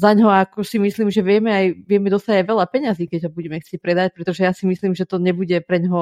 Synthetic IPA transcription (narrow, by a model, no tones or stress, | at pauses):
zaɲɦɔaakɔsimisliːmʒɛʋɪɛmɛajʋɪɛmɛd̪ɔst̪aɟajʋɛlapɛɲaziːkɛɟɦɔbuɟɛmɛxtt͡sɛc̚pɾɛd̪ac̚pɾɛt̪ɔʒɛjasimisliːmʒɛt̪ɔɲɛbuɟɛpɾɛɲɦɔ